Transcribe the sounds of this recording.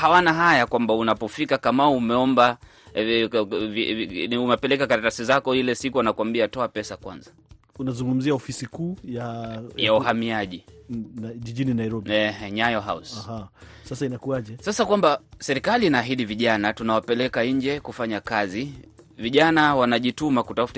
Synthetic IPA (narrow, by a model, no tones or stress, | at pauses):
hawanaɦajakwambaunapɔfikakamauumɛɔmba | viumɛpɛlɛkakaɾatasizakɔilɛsikuanakwambiatɔapɛsakwa̰nza | unazuŋɡum̩ziaɔfisikuːjajauhamiaʄi | ʄiʄininajɾɔbiɛhɛɲajɔɦa̰usaha | sasainakuaʄɛsasakwambasɛɾikaliːnaːɦiɗiviʄanatunawapɛlɛkaiɲd͡ʒɛkufaɲakaziviʄanawanaʄitumakutafut